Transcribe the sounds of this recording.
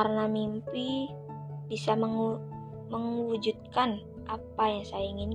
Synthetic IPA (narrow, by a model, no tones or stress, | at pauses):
karnamimpi | bisaməŋ | məŋwud͡ʒut̪̚kan | ʔapajaŋsajaiŋin